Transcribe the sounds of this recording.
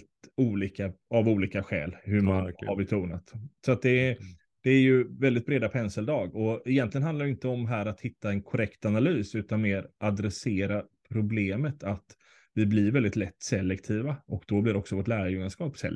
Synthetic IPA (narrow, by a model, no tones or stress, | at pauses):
t̪uːliːkaavuːliːkaɧɛ̰ːlhɵmahaɾbɛt̪ʰuːna̰t̪sɔat̪̚d̪ɛ | d̪̥ɛːɾjɵvɛld̪ɪt̪̚bɾeːd̪apʰɛnsəld̪ɑːɡɔɛjɛnt̪lɪɡənɦanaɾjʏɪnt̪əɔmɦæːɾat̪hɪt̪ːaɛnkʰɔɾɛkt̪analyːsʉ̟ːt̪anmeːɾʔad̪ɾɛseːɾapʰɾʊbleːmət̪ʰat̪ | vɪblɪɾvɛld̪ɪt̪lɛt̪ːsɛlːɛkt̪ʰiːvaɔkd̪̥ɔblɪɾɔksɔvoːʈlæːɾajɵŋːanskɑːpsɛ̰l